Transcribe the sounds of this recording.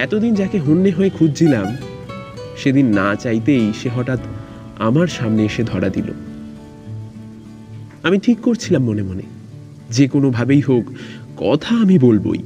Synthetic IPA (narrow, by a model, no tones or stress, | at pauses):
ɛt̪od̪ind͡ʑakeɦonːeɦoekʰud͡ʑd͡ʑilam | ʃed̪inːat͡ɕajt̪ejʃeɦɔʈat̪ | a̰maɾʃamneeʃed̪ʱɔɾad̪ilo̰ | amiʈʰikːoɾt͡ɕʰilamːonemonḛ | d͡ʑekonobʱabejɦokːɔ̰t̪ʰaamibolbo̰j